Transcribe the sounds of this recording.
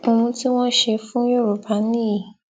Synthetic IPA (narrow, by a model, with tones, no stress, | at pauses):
õ˧ũ˧ti˦w̃ɔ̃˦ʃe˧fũ˦jo˦˨ɾu˨pa˨˦nĩ˦˨